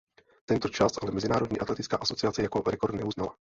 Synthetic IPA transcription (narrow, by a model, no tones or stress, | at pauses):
t̪ɛnt̪o̞t͡ʃast̪ʔalɛmɛzɪnaːɾo̞d̪ɲiːʔat̪lɛt̪ɪt͡skaːʔaso̞t͡sɪat͡sɛjako̞ɾɛko̞ɾd̪nɛuznala